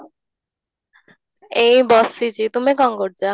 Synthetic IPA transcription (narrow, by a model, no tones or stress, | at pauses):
ejbɔsit͡ɕit̪umikɔŋɡoɾd͡ʑa